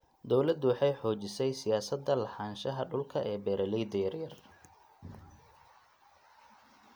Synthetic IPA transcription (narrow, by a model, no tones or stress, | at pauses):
d̪ɔwlɐd̪ʊwɑħɑjħɔːt͡ʃɪsɛjsɪjaːsɐd̪ːɐlɑħaːnʃɐɦɐɖʊlkʰɐʔɛːbɛːɾɐlɛjd̪ɐjɐrjɐr